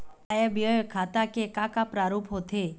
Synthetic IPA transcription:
ajəbjɔjkʰaːt̪akekãkapɾaɾuːpɦot̪ʰe

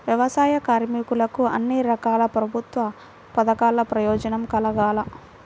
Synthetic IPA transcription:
ʋjɐʋɐsaːjɐkaːɾmikulɐkuɐnːiɾɐkaːlɐpɾɐbʱut̪ʋɐ | pɐd̪ɐkaːlɐpɾɐjɔːd͡ʒɐnɐmkɐlɐɡaːlɐ

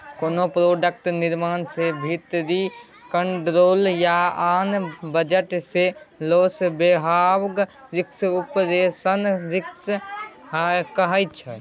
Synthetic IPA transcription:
konopɾoɖək̚ʈniɾmansebʱit̪ɾi | kəɳʈɾoljaanbəd͡ʒəʈselosbeɦawɡ | ɾiksupd̪esənɾiks | ɦkəɦəjt͡ʃʰɛ

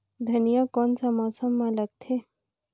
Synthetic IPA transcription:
d̪ʱɐnijəkɔnsamɔːsəmːãlɐɡ̚t̪ʰe

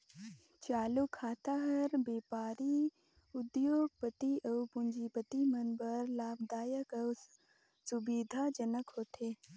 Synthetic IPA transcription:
t͡ʃaːlukʰːaːt̪aɦɐɾbeːpaːɾi | ʊd̪joːɡ̚pət̪iʔəwpʊ̃nd͡ʒipət̪imənbəɾlaːbd̪aːjəkəw | sʊbiːd̪ʱad͡ʒənəkɦoːt̪eː

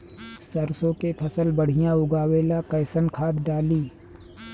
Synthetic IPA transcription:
səɾsõkepʰɐsəlbəɽ̤ɪjãʊɡaːweːlakɐɪsənkʰaːt̪ɖaːliː

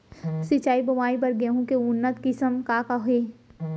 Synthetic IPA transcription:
sɪt͡ʃaːibɐmaːibɐɾɡeɦũkeʊnːət̪kɪsəmkaːkaɦeː

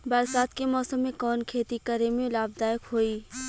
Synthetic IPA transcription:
baːɾsaːt̪̚kemɔːsəmːẽkɔːnkʰeːt̪ikəɾemẽlaːb̚d̪aːjɪkɦoːiː

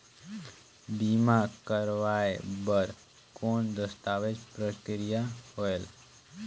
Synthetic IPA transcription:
bimakəɾʋaebəɾ | koːnd̪əst̪aːʋed͡ʒpɾəkɾijaɦoel

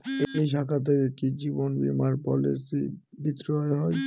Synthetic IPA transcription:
ejʃakʰat̪̬eɾeʈid͡ʑibonbḭmaɾpɔ̰lḭsi | bit̪ɾɔeɦɔj

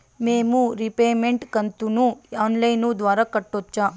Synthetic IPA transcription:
meːmuɾipeːmeɳʈkɐnt̪unuaːnlɐjnud̪ʋaːɾɐkɐʈːot͡ʃːaː

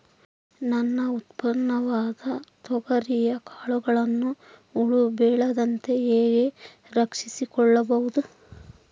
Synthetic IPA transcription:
nɐnːɐut̪pɐɾɳɐʋaːd̪ɐt̪ɔɡɐɾijɐkaːɭuɡɐɭɐnːu | uɭubɛːɭɐd̪ɐnt̪e̞eːɡe̞ | ɾɐkʂisikɔɭːɐbɐʋud̪u

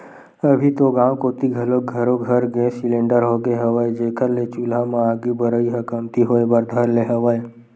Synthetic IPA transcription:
əbʱit̪oɡãwkoːt̪iɡʱɐloɡʱəɾoɡʱɐɾɡesɪlẽɳɖəɾɦoːɡeɦəʋəed͡ʒeːkʰəɾlet͡ʃulamãaːɡibəɾəiɦəkəmt̪iɦoebəɾd̪ʱəɾleɦəʋəe

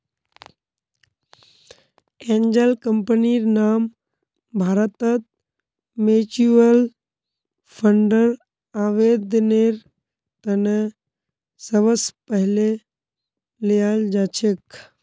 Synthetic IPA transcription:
eːnd͡ʒəlkəmpəniɾnaːm | bʱaːɾət̪ət̪̚ | meːt͡ʃuəl | pʰəɳɖəɾ | aːʋeːd̪neɾ | t̪əne | səʋəspəɦle | lejaːld͡ʒaːt͡ʃʰek

